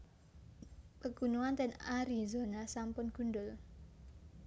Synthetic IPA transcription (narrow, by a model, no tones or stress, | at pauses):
pəɡunuant̪ɛnaɾizonasampʊnɡ̥undʊl